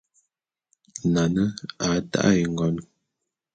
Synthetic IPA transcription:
na˨nə˦a˨˦ta̰˦ʔji˨ŋ˨ɡɔ˨˦n

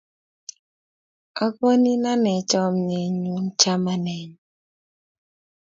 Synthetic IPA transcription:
ɔ˦kɔ˦ni˦na˦nɛ˨t͡ʃɔ˦mɲe˨ɲu˨nt͡ʃa˦ma˦nɛ˨ɲ

